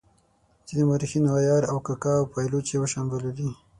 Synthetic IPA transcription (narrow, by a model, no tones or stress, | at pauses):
t͡ʃid̪emaɾixinawajɑɾawkakɑːwpɑjlot͡ʃewəʃambəlod̪i